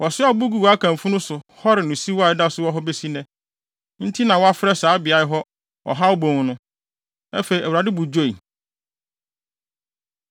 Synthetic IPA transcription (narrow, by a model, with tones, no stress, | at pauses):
wɔ˨sɪ˦a˨˦bu˦ɡu˦wa˦kʰã˨m˨fũ˦nʊ̃˦sʊ˨hɔ˦ɾɪ˨nʊ̃˨si˦wa˦˨ɪ˨da˦sʊ˦wɔ˦ɦɔ˦be˦si˦nɛ̃˦ | n̩˦tʰi˦nã˨wɔ˦a˦fɪ˦ɾɛ˦saː˨˦bɪ˨a˨˦ɪ˨˦ɦɔ˦ | ɔ̰˨ɦa˦ɔ˦bõ˨nʊ̃˦ | ɛ˦fe˨ɾi˨æ˨wɾa˨dɪ˦bʊ˨d͡ʑo˦˨i˨